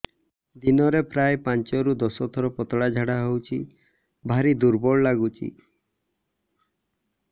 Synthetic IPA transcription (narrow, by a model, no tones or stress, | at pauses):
d̪inɔɾepɾajpant͡ʃɔɾud̪ɔsɔt̪ʰɔɾɔpɔt̪ɔɽad͡ʒʱaɽaɦewt͡ʃʰi | bʱaɾid̪uɾbɔɭɔlaɡut͡ʃʰḭ